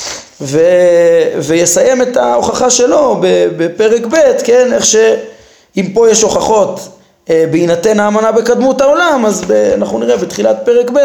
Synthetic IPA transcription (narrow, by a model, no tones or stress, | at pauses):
ve | vejesaje̞met̪ao̞χaχaʃe̞lo̞bebepe̞ʁe̞kbe̞t̪kene̞χʃe̞ | impo̞jeʃo̞χaχo̞t̪ | ebeinat̪e̞naːmanabekad̪mutao̞lamazbea̰naχnuniʁebet̪χilat̚pe̞ʁe̞kbet